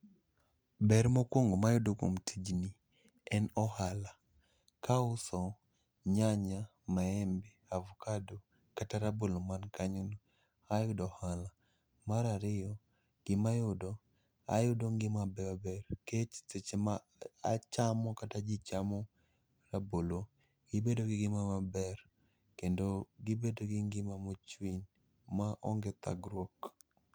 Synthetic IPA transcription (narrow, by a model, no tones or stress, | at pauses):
bɛɾmokwoŋɡomajʊdoko̰mtʰid͡ʒni | ɛnɔhala | kaʊsɔ | ɲaɲa | maɛmbɛavukado | kataɾabolomankaɲunu | ajʊdɔhala | maɾaɾɪjɔ | ɡ̥ɪmajʊdɔ | a̰jʊdoŋɡɪmabɛabɛrket͡ʃset͡ʃema̰ː | t͡ʃamɔkatad͡ʒɪt͡ʃamɔ | rabolo | ɡ̥ɪbedoɡɪɡɪmamabɛr | kendoɡɪbedoɡɪŋɡɪmamot͡ʃwin | maʔo̰ŋɡet̪a̰ɡɾwok